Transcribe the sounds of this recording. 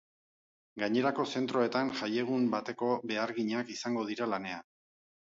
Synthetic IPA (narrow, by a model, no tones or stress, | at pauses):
ɡaɲe̞ɾako̞se̞nt̪ɾo̞e̞t̪anʝaje̞ɣ̞umbat̪e̞ko̞βe̞aɾɣiɲakisaŋɡo̞ðiɾalane̞an